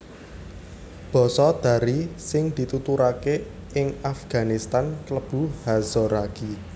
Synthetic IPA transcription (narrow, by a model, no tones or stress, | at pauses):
b̥ɔ̤sɔd̪̥ä̤ɾisɪŋd̪̥i̤t̪ut̪uɾake | ɪŋafɡ̥a̤nist̪ankləb̥ṳhazɔɾaɡ̥i